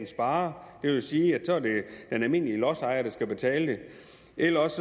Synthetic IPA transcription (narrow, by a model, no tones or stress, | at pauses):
nsb̥ɑ̈ːɐd̥e̝ʋesiːjɑt͡sʰoɐ̰d̥e̝d̥enælme̝n̰liəlɒsɑ̈ɪɐɾ̥ɑ̈sɡ̥æb̥e̝t͡sʰɛ̰ːləd̥e̝ | ʔelɐɒ̽s